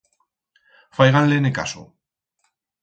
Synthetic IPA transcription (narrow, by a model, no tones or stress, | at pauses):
fajɣanleneka̰so̰